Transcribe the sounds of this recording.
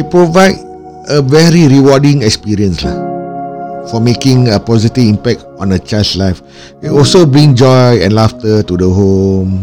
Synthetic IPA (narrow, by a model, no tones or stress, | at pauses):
depɹovaɪd | əvɛɹiɹiwɔdĩŋɛkspiɹiə̃nsla̰ | fɔmekĩŋəpɔzitivĩmpɛk̚t | ɔ̃nət͡ʃaɪlslaɪf | eɔlsobɹĩŋd͡ʒɔjɛ̃nlaftətudəɦõm